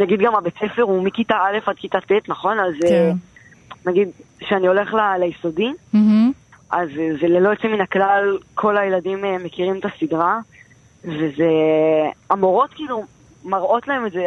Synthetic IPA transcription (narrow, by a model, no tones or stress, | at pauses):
naɡidɡamabet͡se̞feʁumikitaale̞fad̪̚kitat̪et̪naχo̞naze | naɡid̪ | ʃeanio̞le̞χlalajiso̞di | ʔazzelelo̞et͡seminaklalkʰo̞lajeladimeme̞kiʁimet̪asidʁa | veze | amoʁo̞t̪kiːlu | maʁo̞t̪lae̞metze